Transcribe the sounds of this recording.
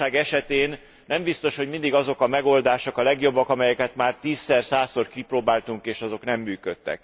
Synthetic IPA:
aːɡɛʃɛt̪eːnː | ɛmbist̪o̞ʃho̞ɟmind̪iɡɒzo̞kɒmɛɡo̞ld̪aːʃokɒlɛɡjo̞bːɒkɒmɛjɛkɛt̪maːrt̪iːsːɛrsaːsorkiproːbaːlt̪uŋkeːʃɒzo̞knɛmːyːkøt̪ːɛ̰k

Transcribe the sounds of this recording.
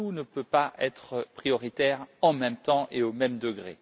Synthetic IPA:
unəpøpaɛt̪χəpχijɔʁit̪ɛʁɑ̃mɛ̃mt̪ɑ̃ʔeomɛmd̪əɡʁḛ

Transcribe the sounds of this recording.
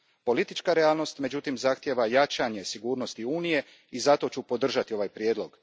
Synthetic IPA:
po̞lit̪it͡ʃkaɾeaːlˠno̞st̪me̞d͡ʑut̪imzaxt̪je̞ʋajat͡ʃaɲe̞siɡuːɾno̞st̪iuːnije̞ | izat̪o̞t͡ɕupo̞d̪r̩ʒat̪io̞ʋajpɾjed̪lˠo̞ɡ

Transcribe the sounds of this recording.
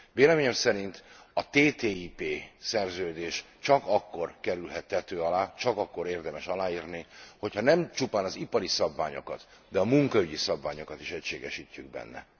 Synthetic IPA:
veːlɛmeːɲɛmsɛɾint̪ | ɒt̪eːt̪eːipeːsɛrzøːd̪eːʃ | t͡ʃɒkɒkːo̞rkɛɾylɦɛt̪hɛt̪øːɒlaːt͡ʃɒkɒkːo̞ɾeːrd̪ɛmɛʃɒlaːiːrniho̞chɒnɛmt͡ʃupaːnɒzipɒɾisɒbva̰ːɲo̞̰kɒt̪ | d̪ɛɒmuŋkɒyɟisɒbvaːɲo̞kɒt̪iʃɛcʃeːɡɛʃicːyɡ̚bɛ̰nːɛ̰

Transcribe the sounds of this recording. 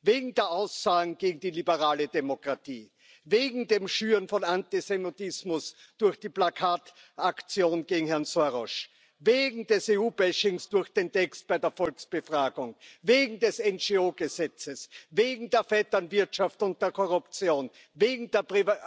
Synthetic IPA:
veːɡŋ̩d̥eːɐʔaʊsːaːɡŋ̩ɡ̥eːɡŋ̩d̥iːlibəʁaːlədemokʁ̥atḭː | veːɡŋ̩deːmʃyːʁənfɔnantisɛmitɪsmʊs | d̥ʊɐxd̥iːplakʰaːt | akt͡sjoːnɡ̥eːɡŋ̩hɛɐnsoʁɔʃ | veːɡŋ̩dɛseːuːbɛʃɪŋsd̥ʊɐxd̥eːntɛkst̚b̥aɪdeːɐfɔlksb̥əfʁaːɡʊŋveːɡŋ̩dɛsɛnd͡ʒeoːɡ̥əzɛt͡səsveːɡŋ̩deːɐfɛtɐnvɪɐtʃaftʊnt̚d̥eːɐkʰɔʁʊpt͡sjoːn | veːɡŋ̩d̥eːɐpʁi

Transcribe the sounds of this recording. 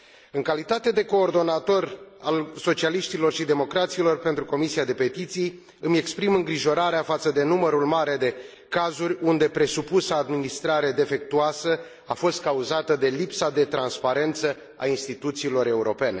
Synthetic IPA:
ɨŋkalit̪at̪e̞d̪e̞ko̞ːrd̪o̞nat̪o̞ralso̞t͡ʃialiʃt̪ilo̞rʃid̪e̞mo̞kɾat̪silo̞rpe̞nt̪ɾuko̞misiad̪e̞pe̞t̪it̪sij | ɨme̞kspɾimɨŋɡɾiʒo̞ɾaɾeafat̪səd̪e̞numəɾulmaɾe̞d̪e̞ | kazurʲund̪e̞pɾe̞supusəːd̪minist̪ɾaɾe̞d̪e̞fe̞k̚t̪uasə | afo̞st̪̚kauzat̪əd̪e̞lipsad̪e̞t̪ɾanspaɾe̞nt̪sə | a̰inst̪it̪ut̪siːlo̞ɾe̞uɾo̞pe̞ne̞

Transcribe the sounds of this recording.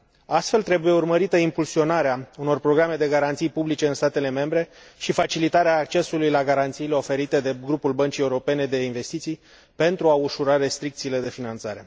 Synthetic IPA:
ast̪fe̞lt̪ɾe̞buje̞urməɾit̪əimpulsio̞naɾeauno̞rpɾo̞ɡɾame̞d̪e̞ɡaɾant̪sijpublit͡ʃe̞ɨnst̪at̪e̞le̞me̞mbɾe̞ | ʃifat͡ʃilit̪aɾeaːk̚t͡ʃe̞sulujlaɡaɾant̪siːle̞o̞fe̞ɾit̪e̞d̪e̞ɡɾupulbənt͡ʃie̞uɾo̞pe̞ne̞d̪e̞inve̞st̪it̪sij | pe̞nt̪ɾuauʃuɾaɾe̞st̪ɾik̚t̪siːle̞d̪e̞finant̪saɾe̞

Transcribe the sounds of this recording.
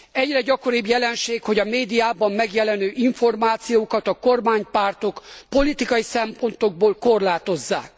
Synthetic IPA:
ɛɟrɛɟɒko̞ɾibjɛlɛnʃeːkho̞ɟɒmeːd̪ijaːbɒmːɛɡjɛlɛnøːʔiɱfo̞rmaːt̪sijoːkɒt̪ɒko̞rmaːɲpart̪o̞kpo̞lit̪ikɒjisɛmpo̞nt̪o̞ɡ̚boːlko̞rlaːt̪o̞zːa̰ːk̚

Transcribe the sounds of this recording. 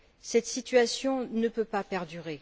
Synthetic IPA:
sɛt̪sit̪ɥasjɔ̃nəpøpapɛʁd̪yʁe

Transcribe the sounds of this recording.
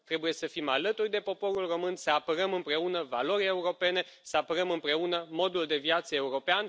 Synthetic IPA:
t̪ɾe̞buje̞səfimalət̪urʲd̪e̞po̞po̞ɾulro̞mɨnsəapəɾəmɨmpɾe̞unəvalo̞ɾʲe̞uɾo̞pe̞ne̞ | səapəɾəmɨmpɾe̞unəmo̞d̪uld̪e̞viat̪səe̞uɾo̞pean

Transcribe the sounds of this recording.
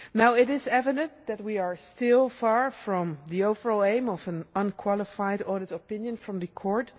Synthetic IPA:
naʊɪɾɪzɛvɨdə̃ntðæt̚wiəɹstɪlˠfɑɹfɹɔ̃mðioʊvə˞ɔlˠẽɪ̃mɔvə̃nʌ̃nkʰw̥ɑlˠəfaɪdɔɹɾɨɾɔpɪ̃njɨ̃nfɹʌ̃mðɨkʰɔɹt

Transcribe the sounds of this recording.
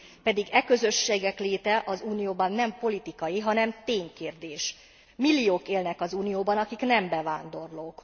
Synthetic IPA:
pɛd̪iɡɛkø̞zø̞ʃːeːɡɛkleːt̪ɛʔɒzuːnijoːbɒnːɛmpo̞lit̪ikɒjiɦɒnɛmt̪eːɲkeːrd̪eːʃ | milːijoːkeːlnɛkɒzuːnijoːbɒnɒkiknɛmbɛvaːnd̪o̞rloːk

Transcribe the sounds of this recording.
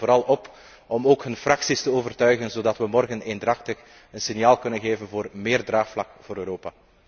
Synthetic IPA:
voːɾɑlˠɔp | ɔmoːkɦɵnfrɑksistəoːvərtœɥɣənzoːdɑtwəmɔrɣəneːndrɑxtəx | ənsɪnjaːlˠkɵnənɣeːvənvoːrmɪːrdraːxflɑkv̥oːɾøːɾoːpaː

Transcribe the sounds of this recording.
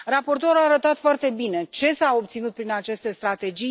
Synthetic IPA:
rapo̞rt̪o̞ɾuaːɾət̪at̪foart̪e̞bine̞t͡ʃe̞sao̞p̚t̪sinut̪̚pɾinat͡ʃe̞st̪e̞st̪ɾat̪e̞d͡ʒi

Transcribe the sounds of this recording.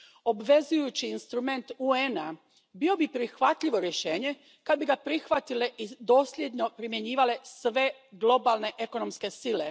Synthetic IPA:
o̞bʋe̞zujut͡ɕiːnst̪ɾume̞nt̪uena | bio̞bipɾixʋat̪ʎiʋo̞ɾjeʃe̞ːɲe̞ | kad̪̚biɡapɾixʋat̪ileʔid̪o̞ːslʎjed̪ɲo̞pɾimje̞ɲiːʋale̞sʋe̞ɡlˠo̞balˠne̞ʔe̞ko̞nomske̞sile̞

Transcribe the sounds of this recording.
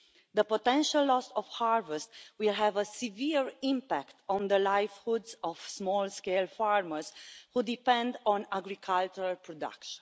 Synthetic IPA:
ðəpot̪ɛ̃nʃalːɔsɔv̥haɹvɛst̪wilɦɛvəsiviɹĩmpækt̪ɔ̃nd̪əlajfhudzɔv̥smɔlskelfaɹməɹshud̪ipɛ̃nd̪ɔ̃naɡɾikʰalt͡ʃuɾalpɹɔd̪a̰kʃə̃n

